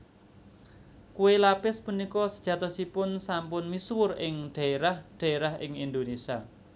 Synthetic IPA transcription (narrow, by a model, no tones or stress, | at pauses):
kuwelapɪspunikɔsəd̥ʒ̥a̤t̪ɔsipʊnsampʊnmiswʊrɪŋɖ̪̥ä̤eɾahɖ̪̥a̤eɾaɦɪ̰ŋind̪onesia